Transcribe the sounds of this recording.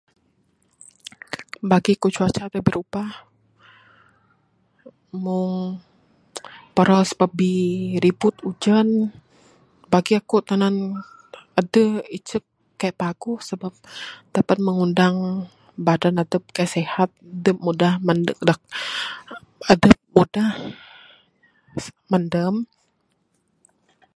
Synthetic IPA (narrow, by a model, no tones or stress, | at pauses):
baɡiakut͡ʃuat͡ʃat̪əbiɾupa | mʊŋ | pəɾɔsə̥bap̚biɾibʊt̪ud͡ʒən | baɡiakut̪anan | adəit͡ʃəp̚ | kajaʔpaɡuhsəbap̚d̥apat̪̚məŋundaŋ | badanad̪əp̚kajaʔsehat̪̚dəp̚mudahmandədak̚ | adəp̚mudah | mandəm